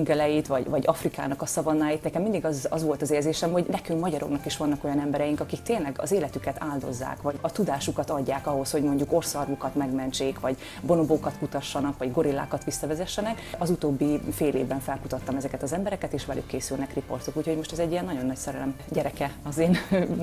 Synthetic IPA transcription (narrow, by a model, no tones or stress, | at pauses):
ŋɡɛlɛjit̪ʋɒɟvɒɟɒfrika̰ːnɒkɒsɒvɒnːaːjit̪nɛkɛmind̪iɡɒzɒzʋo̞lt̪ɒzeːrlzeːʃɛmho̞ɟnɛkyŋkmɒɟɒɾoknɒkiʃʋɒnːɒko̞jɒnɛmbɛɾɛjiŋkɒkikt̪eːnlɛɡɒ̰zeːlɛt̪ykɛt̪ʰaːld̪o̞̰zːa̰ːkʋɒɟɒt̪ud̪aːʃukɒt̪ɒɟːaːkɒɦo̞sho̞ɟmo̞ɲɟuko̞rsɒrmukɒt̪mɛɡmɛnt͡ʃeːkʋɒɟ | bo̞noboːkɒt̪kut̪ɒʃːɒnɒkʋɒɟɡo̞ɾilːa̰ːkɒt̪ʋisːɒvɛzɛʃːɛnɛkɒzut̪oːbːifeːlḛːvbɛɱfɛlkut̪ɒt̪ːɒmɛzɛkɛt̪ɒzɛmbɛɾɛkɛt̪eːʃʋɛlʔy̰kːeːsylnɛkripo̞̰rt̪okuːcʰho̞ɟmo̞ʃt̪ɛzɛɟːijɛnɒɟo̞nːɒcsɛɾɛlɛm | ɟɛɾɛkɛɒzeːn